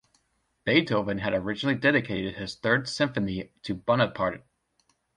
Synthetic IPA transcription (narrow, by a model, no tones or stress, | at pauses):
b̥eɪtʰoʊvɨ̃nɨɾə˞ɪd͡ʒnl̩ˠidɛɾɨkʰeɪɾɨd̚ɨz̥θɜ˞dsɪ̃ɱfɨniɾʰɨbʌnəpʰɑɹɾɨt̚